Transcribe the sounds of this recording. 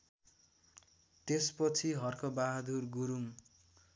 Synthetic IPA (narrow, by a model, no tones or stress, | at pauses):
t̪espʌt͡sʰiɦʌrkobaɦd̪urɡuɾuŋ